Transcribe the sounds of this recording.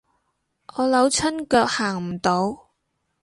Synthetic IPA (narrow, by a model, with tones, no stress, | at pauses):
ʔɔː˨˧lɐ˨˥wt͡sʰɐ˥nkœː˧k̚haː˨˩ŋm̩˨˩t̪o˨˧w